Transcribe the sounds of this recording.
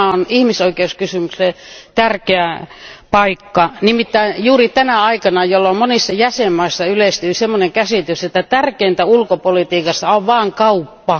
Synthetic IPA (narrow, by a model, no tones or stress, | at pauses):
onihmisoikeuskysymykset̪ærkeæpɑikːɑnimit̪ːæijuːrit̪ænæɑikɑnɑjolːomonisːɑjæsemːɑisːɑylest̪yisemːoneŋkæsit̪yset̪ːæt̪ærkeint̪æulkopolit̪iːkɑsːɑoʋʋɑːŋkɑupːɑ